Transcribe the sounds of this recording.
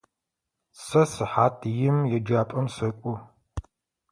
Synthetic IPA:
sɐsɨħaːtʰjɪmjɛd͡ʒaːpʼɐmsɐkʷʼʊ

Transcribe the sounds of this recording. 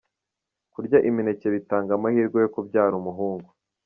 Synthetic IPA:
kuɾɟaʔimine̞ce̞βitaːŋɡamahiːɾɡojokobɟaːɾumuɦuːŋɡu

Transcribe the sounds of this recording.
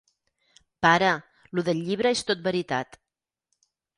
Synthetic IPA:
paɾə | luðəʎːiβ̞ɾəest̪ot̪̚bəɾit̪a̰t̪

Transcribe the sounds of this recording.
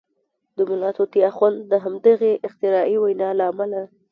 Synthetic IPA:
d̪̥əmʊlɑt̪ot̪iaxwand̪d̪əɦamd̪əɣeʔɪxt̪ɪɾɑʔiwajnɑlaːmala

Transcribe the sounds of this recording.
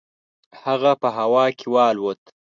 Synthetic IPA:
haɣapəɦawɑːkʰɪwɑːlwot̪

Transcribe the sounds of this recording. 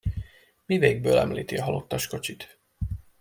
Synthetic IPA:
miveːɡ̚bøːlɛ̰mlḭːt̪iɒɒlo̞t̪ːɒʃko̞t͡ʃit̪

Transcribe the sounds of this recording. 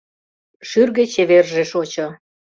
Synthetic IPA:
ʃyrɣĕt͡ɕeβerʒeʃot͡ɕŏ

